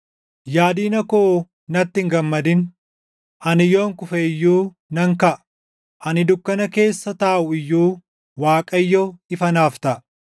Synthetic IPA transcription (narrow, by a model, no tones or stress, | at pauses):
jaːd̪iːnɐko | nɐt̪ːɪŋɡɐmːɐd̪ɪn | ʔɐnɪjo̞ːŋkʊfɛɪjːuː | nɐŋkɐʔ | ʔɐnɪd̪ʊkːɐnɐke̞ːsːɐt̪aːʔʊɪjːuː | waːkʼɐjːoɪfɐnaːft̪ɐʔ